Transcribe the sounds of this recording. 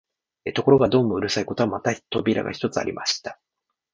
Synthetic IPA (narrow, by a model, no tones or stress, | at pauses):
et̪o̞ko̞ɾo̞ɡad̪o̞ːmoɯ̟ɾɯ̟saiko̞t̪oamat̪at̪o̞bʲiɾa̰ɡa̰çi̥t̪o̞t͡sɨa̰ɾʲḭmaɕi̥t̪ḁ